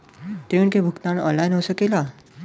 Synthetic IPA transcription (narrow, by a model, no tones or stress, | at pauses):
t̪euɳkebʱukt̪anɔ̰nlajnɦosəkela